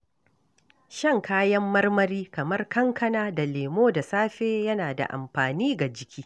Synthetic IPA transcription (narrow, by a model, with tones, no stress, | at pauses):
ʃɐ˦˨ŋkʰaː˦jɐ˦mːɐ˦rmɐ˦ɾiː˦kɐ˨mɐ˦rkɐ˦ŋkʰɐ˦naː˦da˨leː˨moː˦da˨saː˦ɸeː˦jɐ˦naː˨da̰˨ʔa̰˨mɸaː˨niː˦ɡa˨d͡ʒɪ˦kʲʰiː˦